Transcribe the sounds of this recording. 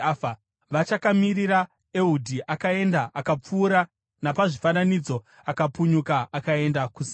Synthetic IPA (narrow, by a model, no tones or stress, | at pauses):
fa | ʋat͡ʃakamiɾiɾa | e̞udʱiʔakae̞ndaʔakap͡fuːɾa | napaʐifananid͡zo̞ | akapuɲukaakae̞ndakusi